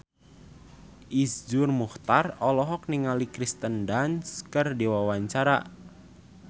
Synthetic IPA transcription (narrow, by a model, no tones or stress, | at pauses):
ʔisd͡ʒurmuht̪arɔlɔɦɔk̚niŋalikɾist̪əndanskərdiwawaɲt͡ʃaɾa̰